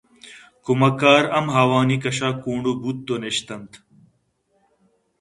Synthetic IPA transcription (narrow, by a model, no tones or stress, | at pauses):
kumɐkaːɾɐmɦaːwaːnikɐɕaːkuːɳɖubut̪̚d̪oneɕt̪ɐnt̪